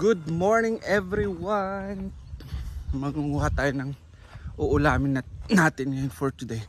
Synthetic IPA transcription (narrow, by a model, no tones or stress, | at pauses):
ɡ̥ʊd̪̚moɹnɪŋʔɛvɾɪwan | mɐŋʊŋuːhat̪ːaːjonɐŋ | ʔʊʔʊlaːmɪnɐnaːt̪ɪnnfɔɹt̪ʊd̪ej